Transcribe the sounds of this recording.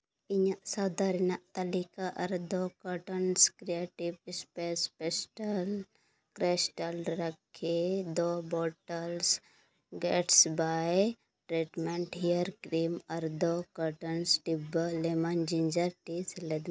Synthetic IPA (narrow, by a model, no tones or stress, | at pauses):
iɲaʔsɐd̪aɾnaʔt̪ɐlikaʔɐɾd̪okɔʈənskɾieʈiʋɪspespesʈəl | kɾesʈəlɾɐkʰːed̪obɔʈəls | ɡeʈsbaj | ʈɾiʈmẽɳʈɦijəɾkɾimɐɾd̪okɔʈənsʈibəlemand͡ʒĩnd͡ʒəɾʈisled̪